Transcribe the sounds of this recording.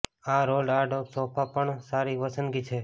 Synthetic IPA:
aɾolaɖoɡsɔpʰapəɳsaɾiʋəsənɡit͡ʃʰe

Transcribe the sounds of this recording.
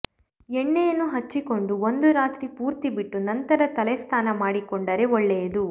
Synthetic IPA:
ɛɳːejɐnːuɦɐt͡ʃːiko̞ɳɖuond̪uɾaːt̪ɾipuːɾt̪ibiʈːunɐnt̪ɐɾɐt̪ɐlɛst̪ʰaːnɐmaːɽikoɳɖɐɾe̞ɔɭːejɐd̪u

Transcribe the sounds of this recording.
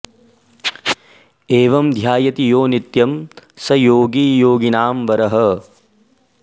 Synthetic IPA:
eːʋɐmd̪ʱjaːjɐt̪ijoːnit̪jɐmsɐjoːɡiːjoːɡinaːmʋɐɾɐɦɐ

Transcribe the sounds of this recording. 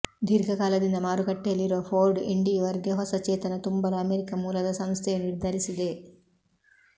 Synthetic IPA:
d̪ʱiɾɡʱɐkaːlɐd̪inːɐmaːɾuɡɐʈːelːiɾoːpʰoːɾɖḭɳɖiʋɐɾɡjɐɦɐsɐt͡ʃɛːt̪ɐnɐt̪umbɐɾɐɐmeɾikɐmuːlɐd̪ɐsɐmst̪ʰeniɾd̪ʱɐɾisid̪e

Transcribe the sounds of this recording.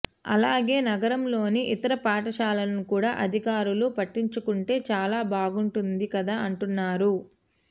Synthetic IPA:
ɐ̰laːɡe̞ːnɐɡɐɾɐmlo̞ːniʔit̪ɐɾɐpaːʈɐʃaːlɐnnukuːɽaːʔɐd̪ʱikaːɾulupɐʈːiɲt͡ʃukuɳʈe̞ːt͡ʃaːlaːbʱaːɡuɳʈund̪ikɐd̪aːɐɳʈunːaːɾu

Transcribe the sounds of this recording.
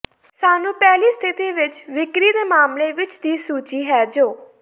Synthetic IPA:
saːnũːpɛːliːst̪ʰɪt̪iːʋɪt͡ʃʋɪkɾiːd̪eːmaːmleːʋɪt͡ʃd̪iːsuːt͡ʃiːɦɛːd͡ʒoː

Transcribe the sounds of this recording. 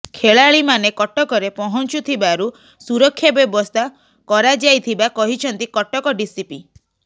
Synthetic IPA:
kʰeɭaɭimanekɔʈɔkɔɾepɔɦɔnt͡ʃut̪ʰibaɾu | suɾɔkʰːjɔbjɔbɔst̪ʰa | kɔɾad͡ʒajt̪ʰibakɔɦit͡ʃʰɔnt̪ikɔʈɔkɔɖisipi

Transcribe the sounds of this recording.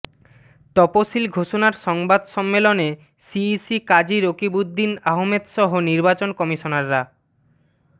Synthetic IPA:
t̪ɔposilɡʱoʃonaɾʃɔŋbad̪ʃɔmːelone | sisikad͡ʑiɾokibud̪ʱːinaɦomed̪ʃɔɦoniɾbat͡ɕonkɔmiʃonaɾːa

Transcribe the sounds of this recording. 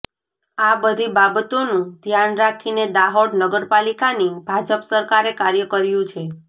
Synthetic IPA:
abəd̪ʱibabt̪onũd̪ʱjanɾakʰined̪aɦoɽnəɡəɾpalikanibʱad͡ʒəpsəɾkaɾekaɾjəkəɾjũt͡ʃʰe

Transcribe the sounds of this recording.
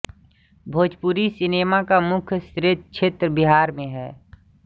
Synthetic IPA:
bʱoːd͡ʒpuɾisɪneːmakamʊkʰjst̪ɾɪt̪̚t͡ʃʰeːt̪ɾəbɪɦaːɾmẽɦɛː

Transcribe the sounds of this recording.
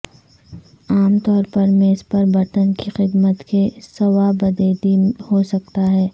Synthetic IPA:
aːmt̪ɔːɾpɐɾmeːspɐɾbɐɾt̪ənkixɪd̪mət̪kesɐwabɐd̪eːd̪ihosɐk̚t̪aɦɛː

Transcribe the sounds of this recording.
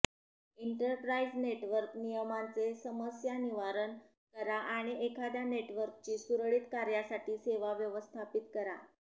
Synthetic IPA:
iɳʈəɾpɾaid͡zneʈʋəɾknijəmant͡sesəməsjaniʋaɾən | kəɾaʔaɽ̃iekʰad̪janeʈʋəɾk̚t͡ɕiːsuɾɭiːt̪kaɾjasaʈiːseʋaʋjəʋəst̪ʰapit̪kəɾa̰

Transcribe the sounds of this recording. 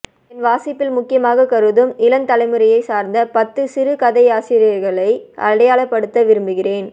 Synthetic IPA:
ɛnʋaːsɪpːɪlmʊkːɪjɐmaːɣɐkɐɾɯðɯmɪlɐnt̪ɐlɐɪmɯɾɐjɐɪsaːɾnd̪ɐpɐt̪ːɯsɪɾɯkɐðɐɪaːsɪːɾɪjɐɾɣɐɭɐɪʔɐ̰ɽɐjaːɭɐpːɐɽɯt̪ːɐʋɪɾɯmbɯɣɪreːn

